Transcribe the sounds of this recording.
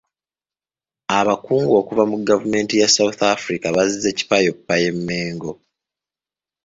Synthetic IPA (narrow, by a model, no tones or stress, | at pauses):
aβakuːŋɡo̞ːkuvamuɡavume̞ːntijasawuθafuɾikaβazize̞ci̥pajo̞pːaje̞mːeːŋɡo̞